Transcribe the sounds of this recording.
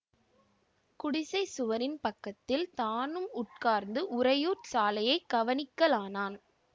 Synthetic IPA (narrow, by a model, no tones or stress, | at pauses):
kʊɽɪsɐɪsʊʋɐɾɪnpɐkːɐt̪ːɪlt̪aːnɯmʊʈ̚kaːɾnd̪ɯʔʊɾɐjuːʈsaːlɐjɐɪɡ̥ɐʋɐnɪkːɐlaːnaːn